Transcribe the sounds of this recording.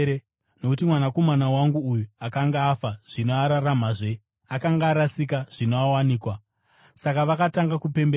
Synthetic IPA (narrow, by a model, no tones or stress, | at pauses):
no̞kutimwanako̞manawaŋɡuːjuakaŋɡaːfaʐ̥ino̞aɾaramaʐe̞ | akaŋɡaːɾasikaʐ̥inoawaniːkwa | sakaʋakataŋɡakupe̞mbe